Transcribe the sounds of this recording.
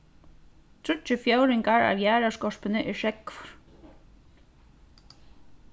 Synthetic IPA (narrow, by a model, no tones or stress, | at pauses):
t̪ʰɾʏt͡ʃːɪfjowɾɪŋkaɹa̰vjæːɾaskɔʂpɪnɪʔɛɹʃɛkvɔ̥ɹ̥